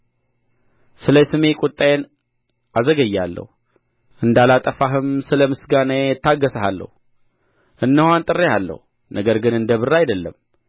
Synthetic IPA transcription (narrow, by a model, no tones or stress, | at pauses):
sɨləjsɨmekʼʊt̪ʼːajen | azəɡəjːalːə̰hu | ʔɨnd̪alat̪ʼəfaɦɨmsɨləmɨsɡaneɛt̪ʰːaɡːəsəɦalːə̰hu | ʔɨnːəhant̪ʼɨrːealːə̰hu | nʔəɡəɾɡɨnɨnd̪əβɨrːajd̪əlːə̰m